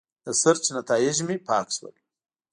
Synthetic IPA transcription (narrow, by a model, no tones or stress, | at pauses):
d̪̥əsaɾt͡ʃnat̪ɑjɪʒmipɑkʃwə̰l